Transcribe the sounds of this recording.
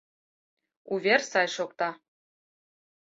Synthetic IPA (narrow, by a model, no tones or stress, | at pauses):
uvʲersɑjʃokt̪ɑ